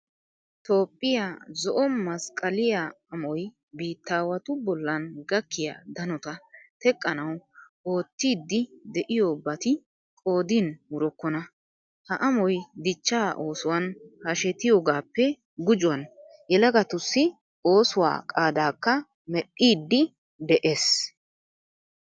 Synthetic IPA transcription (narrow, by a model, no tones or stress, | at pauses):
t̪o̞ːpʼːɪjazɔʔɔmɐskʼɐlɪja | ɐmɔj | biːt̪ːaːwɐt̪ʊbɔlːɐnɡɐkːɪja̰d̪ɐnɔt̪ɐt̪ɛkʼːɐnɐw | o̞ːt̪ːiːd̪ːɪd̪ɛʔɪjoːbɐt̪ɪ | kʼo̞ːd̪inwʊɾɔkːɔnɐ | hɐʔɐmɔjd̪ɪt͡ʃːaːʔo̞ːsʊwɐnhɐʃɛt̪ɪjoːɡaːpːɛ | ɡʊd͡ʒʊwɐn | jɛlɐɡɐt̪ʊsːɪ | o̞ːsʊwa̰ːkʼaːd̪aːkːɐ | mɛɗːiːd̪ːɪ | d̪ɛʔe̞ːs